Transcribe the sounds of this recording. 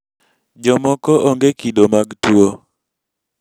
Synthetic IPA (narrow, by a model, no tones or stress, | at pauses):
d͡ʒɔmɔkɔʔoŋɡekidomaɡtwo